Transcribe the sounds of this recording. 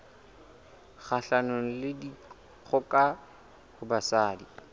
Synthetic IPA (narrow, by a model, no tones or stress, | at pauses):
χaɬanon̩lɪdi | k͡xʰɔkʼa | hʊbasaːdi